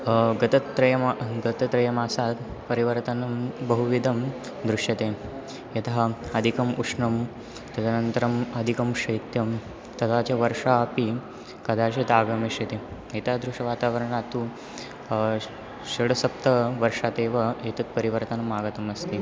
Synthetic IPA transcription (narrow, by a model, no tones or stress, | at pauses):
ɡɐt̪ɐt̪ːɾɐjɐmɡɐt̪ɐt̪ɾɐjɐmaːsat̪pɐɾiʋɐɾt̪ɐnɐbɐɦuʋid̪ʱɐm | d̪ɾuʂjɐt̪e | jɐt̪aɐd̪ʱikɐmuʂɳɐm | t̪ɐt̪ɐnɐnt̪ɐɾɐmɐd̪ʱikɐmʂɐjt̪jɐm | t̪ɐt̪at͡ɕaʋɐɾʂaːpi | kɐd̪ʱaːɕet̪aːɡɐmeʂɐt̪e | et̪ad̪ɾuʂɐʋaːt̪aʋɐɾɐɳ̃at̪u | ʃɐɽɐsɐp̚t̪ɐʋɐɾʂat̪eːʋɐɦet̪ɐt̪̚pɐɾiʋɐɾt̪ɐnɐmaːɡɐt̪ɐmɐst̪e